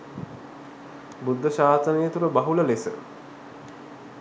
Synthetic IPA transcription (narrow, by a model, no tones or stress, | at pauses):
bud̪ʱːəʃaːsənejət̪uɾəbaɦuləlesə̰